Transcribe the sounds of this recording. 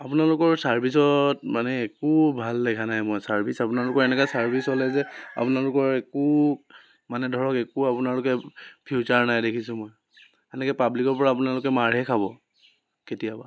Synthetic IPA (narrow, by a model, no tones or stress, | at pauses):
apunalʊkɔɹsaɹbʱisɔt̚manɛːkubʱaldɛkʰanajmɔjsaɹbʱisapunalʊkɔɹɛnɛkasaɹbʱishɔlɛzɛa̰punalʊkɔɹeku | manɛdʱɔɹɔkɛkuapunalʊkɛpʰiut͡ʃaɹnajdekʰisʊ̃mɔj | ɛnɛkapablikɔɹpɔɹaːpunalʊkɛmaɹɦɛkʰabɔ | ketijaba